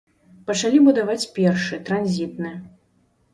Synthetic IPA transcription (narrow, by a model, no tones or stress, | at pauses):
pɐt͡ʂalʲibud̪avat͡sʲpʲɛrʂɨt̪ɾanzʲit̪nɨjɛ